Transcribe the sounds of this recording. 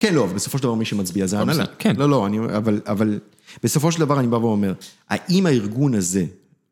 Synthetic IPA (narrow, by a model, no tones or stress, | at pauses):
kenloavalbesofoʃeld̪avamiʃemat͡sbiazeanakɛnlolo̞aniavalaval | b̥eso̞foʃ̬eld̪avaʁanibaveome̞ʁha̰ʔimaiʁɡunaze̞